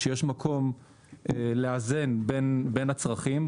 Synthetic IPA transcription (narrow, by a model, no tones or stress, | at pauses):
ejeʃmakʰo̞m | eleaze̞nbenbe̞nat͡sʁaχim